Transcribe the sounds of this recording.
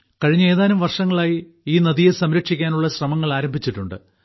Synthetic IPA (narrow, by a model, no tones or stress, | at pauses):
kɐɻiɲːe̞ːðaːnumʋɐrʂɐŋːɐɭaːji | iːnɐðijesɐmɾɐkʂikʲːaːnuɭːɐɕrɐmɐŋːɐɭaːɾɐmbʱit͡ɕːiʈːuɳɖɨ̰